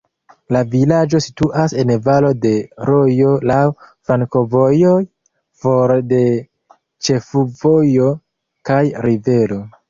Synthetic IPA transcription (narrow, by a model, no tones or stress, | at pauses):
lavilad͡ʒo̞si̥tuʔase̞nvalo̞de̞ɾo̞jo̞lawfɾaŋko̞vo̞joj | foɾde̞ | t͡ʃe̞fuvo̞jo̞ | kajɾive̞ɾo̞